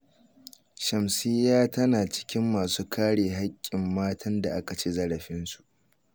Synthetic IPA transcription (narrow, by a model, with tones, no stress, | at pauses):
ʃɐ˨msɪ˦jːaː˦tɐ˦naː˨t͡ʃɪ̥˦kʲɪ˦mːaː˨suː˦kʰaː˦ɽeː˨ɦa˦kʲʼːɪ˨mːaː˦tʰɐ˦nda˨ʔa˦ka˨t͡ʃeː˦zɐ˦ɽɐ˨ɸɪ˦nsu̥˨ʔ